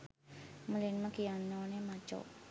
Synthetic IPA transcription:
mulinməkianɔnemat͡ʃɔ̰

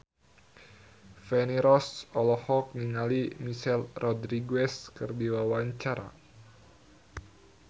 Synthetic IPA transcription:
fɛniɾɔsɔlɔhɔk̚niŋalimiʃɛlrʔɔdɾiɡɛskɨrdiwawaɲt͡ʃaɾa̰

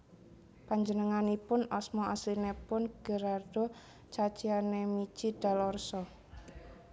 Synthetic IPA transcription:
paɲd͡ʒənəŋanipʊnɔsmɔaslinepʊnɡ̥əɾard̥o | t͡ʃat͡ʃianemit͡ʃid̥a̤lɔrsɔ

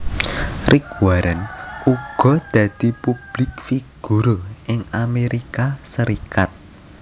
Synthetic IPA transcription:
rʔɪkwaɾanuɡ̥ɔ̤d̪̥a̤d̪̥i̤pub̥lɪkfiɡ̥uɾoʔɪŋameɾikasəɾikat̪̚

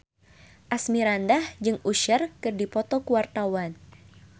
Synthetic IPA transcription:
ʔasmiɾandahd͡ʒɨŋuʃərkɨrdipɔt̪ɔkuwart̪awan

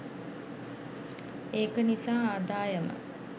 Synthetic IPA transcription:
eːkənisaːaːd̪aːjəmə̰

